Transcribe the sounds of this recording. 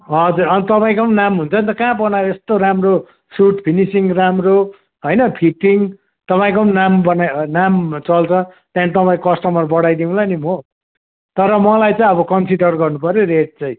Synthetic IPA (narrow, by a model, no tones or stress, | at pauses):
ɦʌd͡zuɾʌnit̪ʌpaĩkʌnamɦunt͡sʰʌnt̪ʌkãbʌnajoest̪oɾamro | suʈpʰinisiŋramro | ɦʌjnʌpʰiʈiŋ | t̪ʌpaĩkonnambʌnajnamt͡sʌlt͡sʰʌt̪jãnit̪ʌpaĩkʌsʈʌmʌrbʌɽajd̪iũlanimo | t̪ʌɾʌmʌlajt͡sãĩʌbʌkʌnsiɖʌrɡʌrnupʌɾjoɾeʈ̚t͡sʌĩ